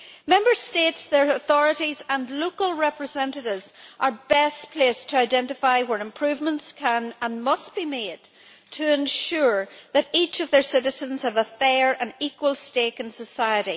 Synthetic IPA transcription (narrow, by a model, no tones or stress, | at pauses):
mɛ̃mbə˞stetsðə˞əθɔɹəɾizə̃nlokəlˠɹɛpɹɨzɛ̃ntɨɾɪvz̥ʔə˞bɛspʰl̥estʰəaɪdɛ̃ntɨfaɪwə˞ɨ̃mpʰɹ̥ʉvmə̃ntskʰə̃nə̃nmʌstb̥imed̥̚ | tʰɨɨ̃nʃuɹðɨɾit͡ʃʌvðə˞sɪɾɨzə̃nz̥həvəfɛɹʔə̃nikwəlˠstekɨ̃nsəsaɪəɾi